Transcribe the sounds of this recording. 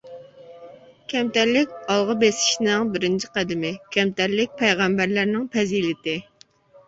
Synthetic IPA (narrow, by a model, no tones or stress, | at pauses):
kʲʰɛmt̪æɾlɪkʲɑlˠʁɑbesɪ̥ʃnɪŋbɪɾɪnt͡ʃʰi̥qæd̪ɪmɪkʲʰɛmt̪æɾlɪk̚ʲpʰɛjʁæmbæɾlæɾnɪŋpʰɛzilɪt̪ɪ